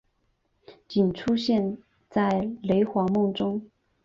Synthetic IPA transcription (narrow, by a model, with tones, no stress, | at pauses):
t͡ɕi˨˩nʈ͡ʂʰu˥ɕjɛ˥˧n | t͡sa˥˩ɪle˧˥ɪxwɑ˧˥mʊ˥˩ŋʈ͡ʂʊ˥ŋ